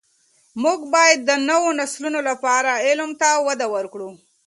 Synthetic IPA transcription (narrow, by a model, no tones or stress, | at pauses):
muɡbɑjad̪ːənəwonaslunolapɑɾaɪlmt̪awad̪awəɾkɽu